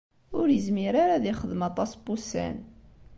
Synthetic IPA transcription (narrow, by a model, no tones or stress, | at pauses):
ʊɾjəzmiɾaɾaðiχəðmɑt̪ˤɑsbusæ̰n